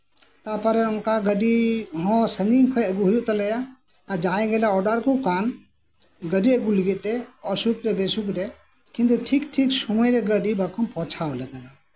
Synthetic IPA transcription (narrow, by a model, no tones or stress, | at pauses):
t̪apaɾɛɔnkaɡəɖiɦɔ̃səŋiŋkʰɔjəɡuɦujuʔt̪alɛjaː | d͡ʒaɛ̃ɡɛlaɔɖaɾkukan | ɡəɖiəɡuliɡɛt̪̚t̪ɛɔsukɾɛbɛsukɾɛ | kĩnt̪uʈʰikʈʰiksumɔjɾɛɡəɖibakʰɔmpɔ̃t͡ʃʰawlɛɡ̪ana